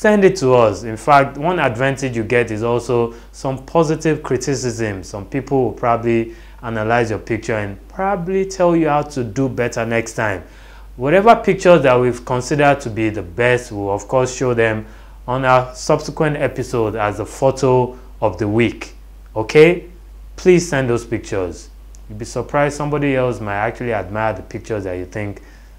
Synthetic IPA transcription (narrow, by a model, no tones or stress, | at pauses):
sɛ̃ndɪtʰːuʌsɪ̃nfak̚twʌ̃nadvãntɪd͡ʒjuɡɛtɪzɔlˠso | sʌ̃mpʰɔzɪtɪv̥kʰɹ̥itisɪzɨ̃msʌ̃mpipʰl̩ˠwɪlˠpʰɹ̥ɔbəbli | anəlaɪzjɔpik̚t͡ʃə˞ɨ̃npʰɹ̥ɔbəblitʰɛlˠjuhaʊtʰudubɛtə˞nɛkstʰãɪ̃m | wɔɾɛvəpik̚t͡ʃə˞zðat̚wi̥kʰɔ̃nsidə˞tʰubiðəbɛstwilɔv̥kʰɔsʃoðɛ̃m | ə̃nəsʌb̥sɪkwɛ̃ntɛpisodazðəfotʰo | ɔvðəwik | okʰe | pʰliz̥sɛ̃nd̪ðoz̥pik̚t͡ʃə˞z̥ | jubisəpʰɹ̥aɪz̥sʌ̃mbɔɾiɛlˠsmaɪak̚t͡ʃulˠiad̚maɪəðəpʰɪk̚t͡ʃə˞zðat͡ʃuθɪ̃ŋk